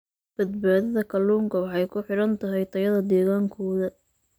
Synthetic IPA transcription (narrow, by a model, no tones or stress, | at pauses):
b̥ɐd̪̚baːðɐðɐkʰɐluːŋkʰɐwɑħɑjkʰʊħɪɽɐnt̪ʰɐɦɛjt̪ʰɐjɐðɐd̪ɛːɣaːŋkʰɔːðɐ